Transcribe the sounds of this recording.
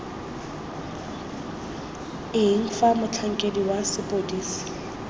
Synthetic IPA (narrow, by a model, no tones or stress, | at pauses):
ɪŋ̩famʊt͡ɬʰaŋ̩kʼediwasɪpʼodiːsi̥